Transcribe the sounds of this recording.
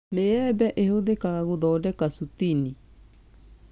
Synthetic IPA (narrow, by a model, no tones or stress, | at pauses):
meɛbɛʔehoðekaɣaɣoðɔːdɛkasut̪ini